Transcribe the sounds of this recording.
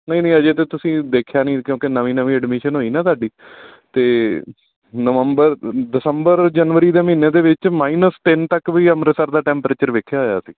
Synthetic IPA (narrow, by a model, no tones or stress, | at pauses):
nəĩːnə̃ːəd͡ʒeːt̪̬eːt̪ʊsĩːd̪eːkʰjaːnĩːkjõːkenəʋĩːnəʋĩːəɖmiːʃənɦoːiːnãːt̪aːɖiː | t̪eː | nəʋəmbəɾɖ̪ɪsəmbəɾd͡ʒənʋəɾiːd̪eːmiːneːd̪eːʋɪt͡ʃmaːiːnəst̪ɪnt̪əkʋiːəmɾəsəɾd̪aːʈɛ̃ːmpɾeːt͡ʃəɾʋɪkʰːjaːɦoja̰ːsiː